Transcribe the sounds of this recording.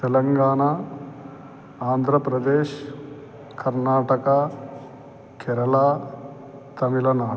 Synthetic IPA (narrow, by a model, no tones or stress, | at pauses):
t̪elɐŋɡaːɳa | aːnd̪ʱɾɐpɾɐd̪eːʃ | kɐɾnaːʈɐka | kʰeɾɐlaː | t̪ɐmilɐna